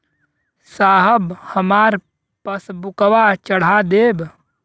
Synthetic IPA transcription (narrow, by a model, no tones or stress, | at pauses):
saːɦəbhəmaːɾ | pəsbʊkəʋat͡ʃəɽ̤ad̪eːb